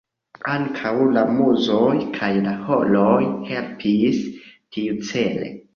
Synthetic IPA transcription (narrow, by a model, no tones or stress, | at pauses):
aŋkʰawlamuzojkʰajlaholojhelpʰistʰiut͡selḛ